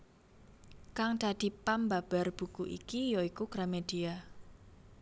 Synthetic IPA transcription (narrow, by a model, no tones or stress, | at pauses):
kaŋd̪̥ad̪̥i̤pambab̥a̤rb̥ṳkuʔḭkijoikuɡ̥ɾamed̥ia